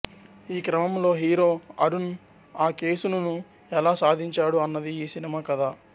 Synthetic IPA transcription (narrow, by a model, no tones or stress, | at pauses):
iːkɾɐmɐmlo̞ːɦiːɾoːɐ̰ɾun | aːke̞ːsunɐnu | ɛlaːsaːd̪ʱiɲt͡ʃaːɽuɐnːɐd̪iiːsinimaːkɐd̪aː